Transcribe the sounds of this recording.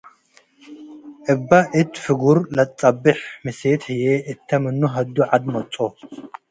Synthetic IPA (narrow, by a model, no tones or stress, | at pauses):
ʔɨbːaʔɨt̪fɨɡuɾlɐt͡sʼɐbɨħmɨset̪ħɨjeʔɨt̪ʰːɐmɨnːuɦɐd̪ːuʕad̪mɐt͡sʼo